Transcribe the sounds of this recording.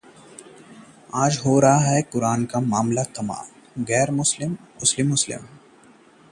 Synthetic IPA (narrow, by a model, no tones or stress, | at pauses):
aːd͡ʒɦoːɾaɦaɦɛkʊɾaːnkamaːmlakɐma̰ː | ɣɛːɾmʊslɪmʊslɪmːʊslɪ̰m